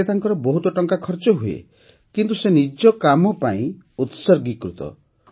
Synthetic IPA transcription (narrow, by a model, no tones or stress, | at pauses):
et̪aŋkɔɾɔbɔɦut̪ɔʈɔŋkakʰɔɾt͡ʃɔɦuḛ | kint̪usenid͡ʒɔkamɔpaĩ | ut̪sɔɾɡikɾut̪ɔ̰